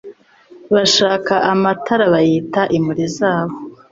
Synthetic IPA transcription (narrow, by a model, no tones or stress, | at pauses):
βaʃaːkaʔamatʰaɾaβajiːtaʔimuɾizaːβo